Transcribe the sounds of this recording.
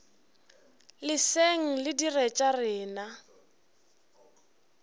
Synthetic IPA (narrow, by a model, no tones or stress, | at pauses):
lɪseŋ̩lɪdirɛt͡ʃʼarɪːna